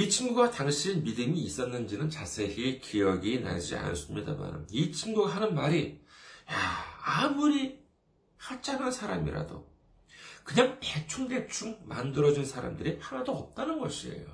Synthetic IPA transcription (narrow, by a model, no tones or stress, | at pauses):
it͡ɕʰimɡuɡataŋɕʰinmidɯmiːs͈ʌnːɯnd͡ʑinɯnt͡ɕasʰe̞ɦikʰijʌɡina̰d͡ʑia̰nɯs͈ɯmɲida̰ma̰nɯ̰mit͡ɕʰimɡuɡaɦanɯnmaɾijaamuɾi | hat͡ɕ͈aŋɦansʰaɾamḭɾa̰do̰ | kɯɲaŋpet͡ɕʰuŋde̞t͡ɕʰuŋmandɯɾʌd͡ʑinsʰaɾa̰mdɯɾihanadoʌp̚t͈anɯnɡʌɕʰie̞̰jo̰